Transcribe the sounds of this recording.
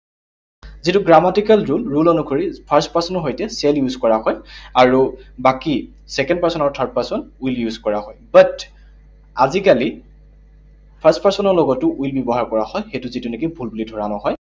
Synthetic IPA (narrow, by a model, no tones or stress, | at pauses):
zitʊɡɹamatikalɹulɹulonukʰoɹipʰəɹspasɔnɔɦojtɛsɛljuzkɔɹahɔjaɹubaki | sɛkɛndpaɹsɔnaɹutʰaɹd̚pasɔnujljuzkɔɹaɦɔjbat | azikali | pʰəstpaɹsɔnɔɹlɔɡɔtːʊʔujlbɔbɔɦaɹkɔɹahɔjxejtʊzitunɛkibʱulbulidʱɔɹanɔhɔj